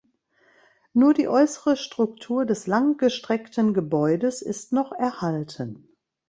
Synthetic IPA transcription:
nuːɐdḭːʔɔʏsəʁəʃtʁ̥ʊk̚tʰuːɐdɛslaŋɡ̥əʃtʁ̥ɛktənɡəbɔʏdəsɪ̰stnɔχɛɐhaltʰən

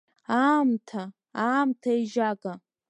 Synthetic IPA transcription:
amtʰa | amtʰaeʒakʼa

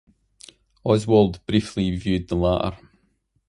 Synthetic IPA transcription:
ɔɪzwəlˠdb̥ɹiˑflivjʉːd̪̚ðəlaʔə̰ɹ

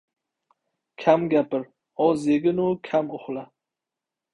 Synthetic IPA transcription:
kʲʰamɡʲapɪɾ | ɒzeɡʲɪnʊkʲʰamʊχla

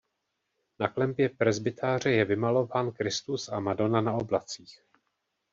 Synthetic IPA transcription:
naklɛmpjɛpɾɛzbɪt̪ʰaːr̝ɛjɛvɪmalo̞vaːnkɾɪst̪usamado̞nanao̞blat͡siːx

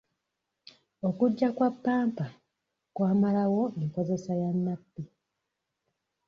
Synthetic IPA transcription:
o̞kuɟːakwapːaːmpa | kwaːmalawo̞iko̞ze̞sajanːapːi

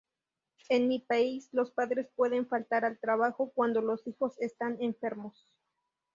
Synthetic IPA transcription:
enmipaislo̞spaðɾe̞spwe̞ðe̞ɱfalt̪aɾalt̪ɾaβaxo̞kwand̪o̞lo̞sixo̞se̞st̪ane̞ɱfe̞ɾmo̞s

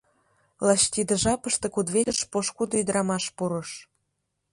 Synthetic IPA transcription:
lɑɕt̪id̪ə̆ʒɑpəʃt̪ĕkud̪βelʲəʃpoʃkud̪oyd̪ɾʔɑmɑʃpuɾə̆ʃ

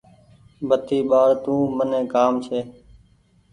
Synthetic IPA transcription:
bʱət̪iːɓaːɽt̪ũːmənẽːkaːmt͡ʃʰeː

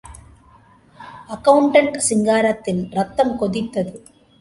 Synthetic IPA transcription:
ɐkɐwɳʈɐɳʈsiŋɡaːɾɐt̪ːinɾɐt̪ːɐmkod̪it̪ːɐðɯ

